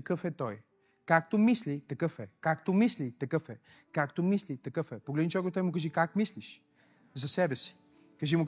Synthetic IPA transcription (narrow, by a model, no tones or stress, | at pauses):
kəfɛt̪ɔj | kak̚t̪omislit̪ɐkəfɛkakt̪omislit̪ɐkəfɛ | kakt̪omislit̪ɐkəfɛpoɡlɛd̪nit͡ʃɛaɡot̪ɔjmʊkɐʒikakmisliʃ | zɐsɛbɛsi̥ | kɐʒimʊk